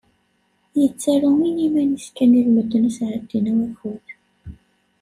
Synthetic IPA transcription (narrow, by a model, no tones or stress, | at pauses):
jət͡sːæɾuminimæniskænilwəd̪ənæsʕəd̪̥ːinæwæxuð